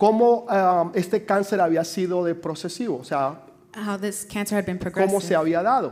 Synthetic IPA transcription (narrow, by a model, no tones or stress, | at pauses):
ko̞moe̞st̪e̞kanse̞ɾaβiasiðo̞ðe̞pɾo̞se̞siβoːsea | hawðɪskʰæ̃nsə˞hɨd̪bɨ̃npʰɹ̥oɡomose̞aβiaðaðo̞